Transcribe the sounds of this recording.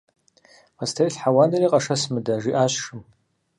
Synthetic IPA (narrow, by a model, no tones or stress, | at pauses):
mastʰajɬħawadaɾiqʼaʂasmɨdaʐiʔaɕʂɨm